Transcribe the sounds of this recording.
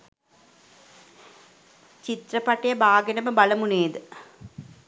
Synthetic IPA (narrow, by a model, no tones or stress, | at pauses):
t͡ɕit̪rɐpɐʈːɐjɐbʱaːɡɐnɐmɐbɐlɐmuneːd̪ɨ